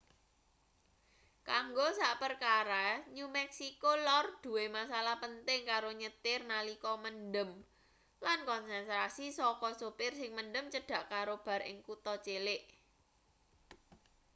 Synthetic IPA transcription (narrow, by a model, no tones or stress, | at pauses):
kaŋɡosaʔpərkaɾaɲumɛksikolɔrd̪̥ṳwemasalahpənt̪ɪŋkaɾoɲət̪ɪrnalikɔmənɖəm | lankɔnsɛnt̪ɾasisɔkɔsupɪrsɪŋməndəmt͡ʃəɖ̥a̤ʔkaɾob̥a̤rɪ̰ŋkut̪ɔt͡ʃelɪʔ